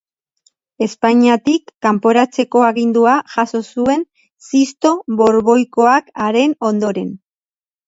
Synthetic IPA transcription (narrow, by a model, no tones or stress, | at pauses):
e̞spaɲiat̪ikːampo̞ɾat͡se̞ko̞aɣind̪uaʝaso̞sue̞n | sist̪o̞βo̞ɾβo̞jko̞akaɾe̞no̞nd̪o̞ɾe̞n